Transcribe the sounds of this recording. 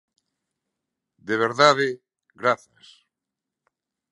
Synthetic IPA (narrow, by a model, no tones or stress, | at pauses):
d̪eβ̞eɾðaðe | ɣɾaθas